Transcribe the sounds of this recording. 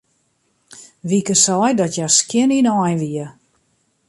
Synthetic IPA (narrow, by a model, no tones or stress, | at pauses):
ʋikəsɔjdɔtjaskjɪninɔjʋiə